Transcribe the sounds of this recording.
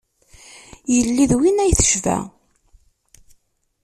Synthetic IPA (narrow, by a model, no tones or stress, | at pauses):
jəlːiðwinæjθə̥ʃvæ̰